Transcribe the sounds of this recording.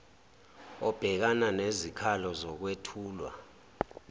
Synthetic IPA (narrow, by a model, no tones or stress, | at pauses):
ɔb̥ʱɛk̬ananezikʰalɔzɔk̬wetʰuːlwa̰